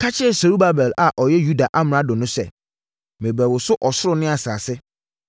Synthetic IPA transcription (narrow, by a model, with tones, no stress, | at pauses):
kʰa˦t͡ɕʰɪ˦˨so˨ɾu˦ba˨bɛ˨la˨ʔɔ˨jɛ˦ju˦da˨ʔa˦m˨ã˨dʊ̃˨nʊ̃˦sɛ̰˦˨ | mɪ̃˨bɾæ˨wʊ˨sʊ˦ʔɔ˨sʊ˦ɾʊ˦nɪ̃˦a˨saː˨sɪ˦